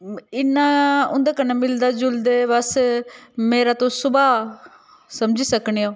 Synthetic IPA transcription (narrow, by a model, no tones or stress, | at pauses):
ɪnːaːʊnd̪eːkəneːmɪld̪aːd͡ʒʊld̪eːʋəs | meːɾaːt̪õːsʊbaː | səmd͡ʒiːsəkɳiːaː